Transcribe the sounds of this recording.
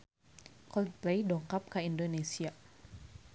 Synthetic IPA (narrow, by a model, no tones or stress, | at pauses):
kɔlplejdɔŋkap̚kaindonesia